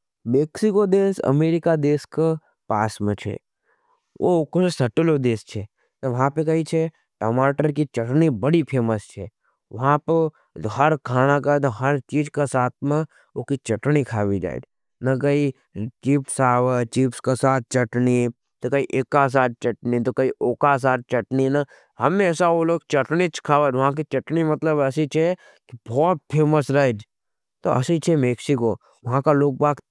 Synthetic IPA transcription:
meːksɪkod̪eːsɐ̰meːɾɪkad̪eːske | paːsmẽt͡ʃʰḛ | ʔo̰koesɐʈlod̪eːst͡ʃʰɛ | t̪ɐʋɐɦãpekɐɦit͡ʃʰe | ʈoːmaːʈəɾkit͡ʃɐʈnibɐɽipʰeːməst͡ʃʰɛ | ʋɐɦãpɐ | ɦɐɾkʰaːnakat̪ɦɐɾt͡ʃiːd͡ʒkasaːt̪̚ʰmẽ | okit͡ʃɐʈnikʰaːʋid͡ʒa̰ːḛt̪ | nɐkɐi | t͡ʃiːpsaːʋət͡ʃiːpskasaːt̪̚ʰt͡ʃɐʈni | t̪okɐiʔekas̬aːt̪̚t͡ʃɐʈnit̪okɐiʔoːkas̬aːt̪̚t͡ʃɐʈninɐ | hɐmeɛːsaoloːɡ̚t͡ʃɐʈnit͡ʃʰkʰaːʋat̪ʋɐɦãk̬it͡ʃɐʈnimɐt̪ləbɛsit͡ʃʰɛ | kibʱɔːt̪̚pʰeːməsɾaːd͡ʒ | t̪oɐ̰sit͡ʃʰɛmeːksiko | ʋɐɦãkaloːɡ̚baːk

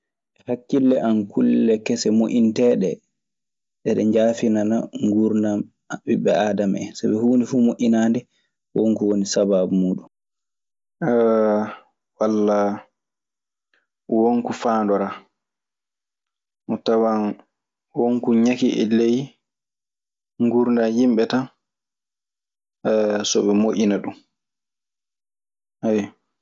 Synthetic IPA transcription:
ʔɛhakːilːɛʔankʰulːɛkɛsɛmoʔintɛɗɛ̰ | ɗɛɗɛɲd͡ʒaːfinanaŋɡuɾnam | abiɓɛaːdamɛ̰sabɛhuːndifuːmoʔinandɛ | woŋkuwonisabaːbumuːɗum | walːa | woŋkufaːndɔɾa | ʔɔtawan | woŋkuɲakiʔɛ̰lej | ŋɡuɾndajimɓɛtan | sɔɓɛmoʔʲinaɗum | ɛ

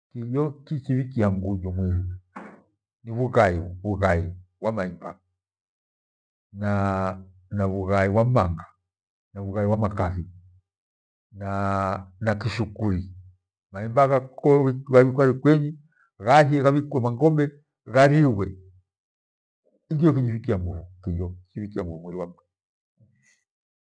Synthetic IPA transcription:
kijɔkit͡ʃiβikiaŋɡuɟɔmwɛɾu | niβuɣaiβuɣai | wamaimba̰ | na | naβuɣaiwamaŋɡa | naβuɣaiwamakafi | nanakiʃukuɾi | maimbaɣakɔɣaβikwaɾikwɛɲi | ɣahɛɣaβikwɛmaŋɡɔmbɛ | ɣaɾiwɛ | iŋɡijɔkiɲifikiaŋɡuvukijɔkiifikiaŋɡuvumwɛɾiwam̩ta

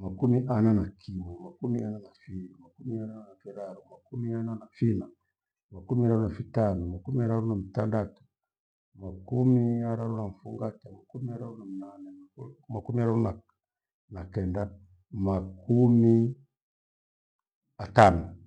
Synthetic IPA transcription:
makumiʔananakʰimumakumiananafiimakumiaɾaanafiɾaɾumakumiananafina | makumiaɾaɾunafitanɔmakumiaɾaɾunamitandatu̥ | makumiaɾaɾunaɱ̩fuŋɡatamakumiaɾaɾunamunanɛmakumiaɾaɾuna | nakɛnda | makumi | atanɔ

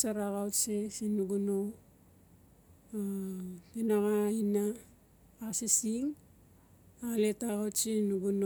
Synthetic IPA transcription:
saɾaɣawtsesinuɡuno | atenaɣaina | asisiŋ | aɣaletaɣawtt͡ʃinuɡuno

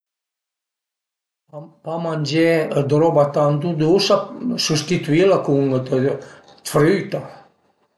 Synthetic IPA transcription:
pamanʲd͡ʒɛəd̪ɾɔbat̪and̪ud̪usasust̪it̪uilakuŋ | fɾyt̪a

